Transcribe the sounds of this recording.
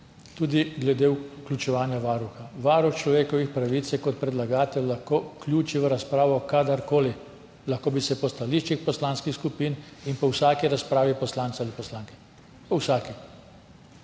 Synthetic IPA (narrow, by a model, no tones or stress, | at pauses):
t̪uːd̪iɡlɛd̪eːuklʲut͡ʃɛʋaːnjaʋaːɾuxaʋaːɾuxt͡ʃlɔʋeːkɔʋixpɾaʋiːt̪sjɛkɔt̪̚pɾɛd̪laɡaːt̪ɛllaxkoːklʲjuːt͡ʃiʋəɾaspɾaːʋɔkad̪aɾkoːli | laxkoːbisɛpɔst̪aliʃt͡ʃixpɔslaːnskixskupiːninpɔwsaːkiɾaspɾaːʋipɔslaːnt̪salipɔslaːŋkɛ̥ | pɔwsaːki